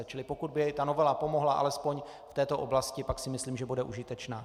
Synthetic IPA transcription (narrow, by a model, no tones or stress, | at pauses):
ɛt͡ʃɪlɪpokud̪̚bɪjɛjt̪ano̞vɛlapo̞mo̞ɦlaʔa̰lɛspo̞ɲ | ft̪ɛːt̪o̞ʔo̞blascɪpaksɪmɪsliːmʒɛbudɛʔuʒɪt̪ɛt͡ʃnaː